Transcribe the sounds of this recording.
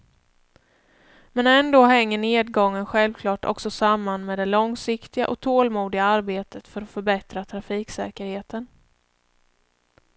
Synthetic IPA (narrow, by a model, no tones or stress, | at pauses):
mɛnɛnd̪oːɦɛŋːəɳeːd̪̚ɡɔŋːənɧɛlvkʰlɑːʈɔ̰ksɔsamːanmeːd̪ɛlɔŋsɪkt̪ɪɡa̰ʔɔk̚t̪ʰoːlmuːd̪ɪɡaaɾbeːt̪ʰət̪fœɾɔfœɾbɛt̪ɾat̪ʰɾafiːksɛːkəɾheːt̪ʰən